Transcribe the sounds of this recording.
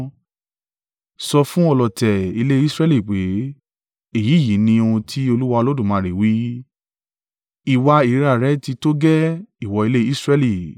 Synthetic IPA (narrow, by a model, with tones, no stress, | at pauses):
sɔ˧fũ˦ɔ˧lɔ˨tɛ˨i˧le˦i˦sɾɛ˦li˦˨k͡pe˨˦ | e˦˨ji˨˦˨ji˨˦nĩ˧o˧ũ˧tʰi˦o˧lu˦wa˧o˧lo˦dũ˦˨mã˨˦ɾi˨wi˦ | i˨wa˧i˨˦ɾa˨ɾɛ˦ti˧to˦ɡɛ˦i˦˨wɔ˧i˧le˦i˦sɾɛ˧li˦˨